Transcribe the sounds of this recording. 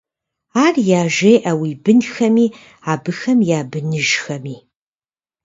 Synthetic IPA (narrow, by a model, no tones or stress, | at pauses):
aːrjaːʒejʔɐwiːbɨnxɐmiː | aːbɨxɐmjaːbɨnɨʒxɐmiː